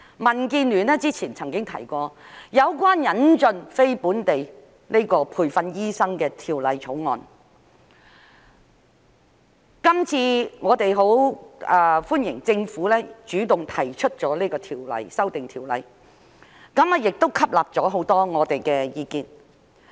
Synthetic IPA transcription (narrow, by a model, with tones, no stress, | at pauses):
mɐ˨˩nkiː˧nlyː˨˩nɛː˥t͡siː˥t͡sʰiː˨˩nt͡sʰɐ˨˩ŋkɪ˥ŋt̪ʰɐ˨˩jkɔː˧jɐ˨˧wkʷwaː˥njɐ˨˥nt͡sɵ˧nfe˥jpuː˨˥nt̪e˨j | ne˥kɔː˧pʰuː˨˩jfɐ˧njiː˥sɐ˥ŋkɛː˧t̪ʰiː˨˩wlɐ˨˧jt͡sʰo˨˥wŋɔ̰ː˨˧n | kɐ˥mt͡sʰiː˧ŋɔː˨˧t̪e˨jɦo˨˥wɛː˧fuː˥njɪ˨˩ŋt͡sɪ˧ŋfuː˨˥lɛː˥t͡ʃyː˨˥t̪ʊ˨ŋt̪ʰɐ˨˩jt͡ʃʰɵ˥t̚t͡sɔː˨˥leː˥kɔː˧t̪ʰiː˨˩wlɐ̰˨˧jsɐ˥wt̪ɪ˨ŋt̪ʰiː˨˩wlɐ̰˨˧j | kɐ˨˥ma˧jɪ˨k̚t̪o˥wkʰɐ˥p̚laː˨p̚t͡sɔː˨˥ɦo˨˥wt̪ɔː˥ŋɔː˨˧t̪e˨jkɛː˧jiː˧kiː˨˧n